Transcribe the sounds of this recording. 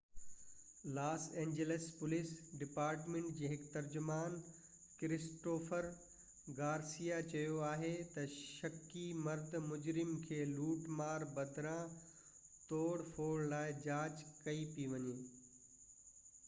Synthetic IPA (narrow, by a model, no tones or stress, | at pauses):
laːsẽːɲd͡ʑeləspʊlɪsɖɪpaːɾʈmẽːɳʈ̚d͡ʑeːɦɪkt̪ɐɾd͡ʑʊmaːn | kɪɾɪsʈoːfəɾ | ɡaːɾsijat͡ɕɐjoaːɦet̪ɐʃɐkimɐɾd̪ʱmʊd͡ʑɾɪmkʰeːluːʈmaːɾbɐd̪ʱɾã | t̪oːɽfoːɽlaːɪd͡ʑaːt͡ɕkɐipiʋɐɲeː